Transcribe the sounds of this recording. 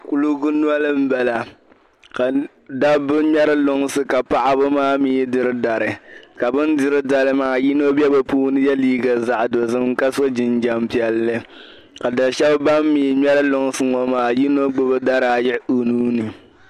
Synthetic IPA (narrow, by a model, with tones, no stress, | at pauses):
ku˦lu˦ɡʊ˦nu˦a˦lɨ˦m̩˦bɛ˨la˨ | ka˨ | da˦bɨ˦mɛ˦ɾɨ˦lʊ˦ŋ˦sɨ˦ka˨pa˦ʔa˦bɨ˦maː˦miː˦dɨ˦ɾɨ˦da˨ɾɨ˨ka˨bɨ˦ndɨ˦ɾɨ˦da˨lɨ˦maː˨ji˦no˦bɛ˦ba˨puː˦nɨ˦jɛ˦liː˦ɡa˨za˨ʔdo˨zɨ˦m˦ka˦so˦d͡ʒɪ˨nd͡ʒa˨mpi˨ɛ˨lːɨ˦ | ka˨da˨ʃɛ˦bba˦mːiː˨ɲɛ˦ɾɨ˦lʊ˨ŋ˦sɨ˦ŋɔ˨maː˨ji˦no˦ɡ͡bʊ˦bɨ˦da˦ɾa˨jɪ˦ʔu˨nuː˦nɨ˨